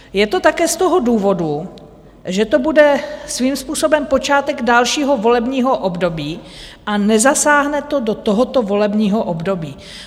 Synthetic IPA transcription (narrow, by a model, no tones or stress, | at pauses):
jɛt̪o̞t̪akɛːst̪oɦo̞duːvo̞du | ʒɛt̪o̞budɛsviːmspuːso̞bɛmpo̞t͡ʃaːt̪ɛɡdalʃiːɦovo̞lɛbɲiːɦoʔobdo̞biː | ʔanɛzasaːɦnɛt̪o̞do̞t̪oɦot̪o̞vo̞lɛbɲiːɦoʔobdobiː